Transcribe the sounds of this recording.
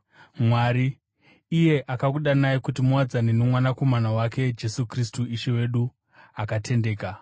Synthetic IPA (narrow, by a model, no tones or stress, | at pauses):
mwaɾiː | je̞ʔakakuɗanajikutimuwad͡zanenomwanako̞manawake̞d͡ʒe̞sukristuiʃewe̞ɗu | akatʰe̞nde̞ːka